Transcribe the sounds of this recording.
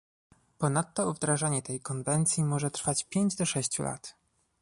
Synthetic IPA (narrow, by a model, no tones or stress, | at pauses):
pɔnat̪ːɔuvd̪ɾaʐaɲɛt̪ɛjkɔnvɛnt̪sʲjimɔʐɛt̪ɾfat͡ɕpʲjeɲd͡ʑd̪ɔʂɛɕt͡ɕṵla̰t̪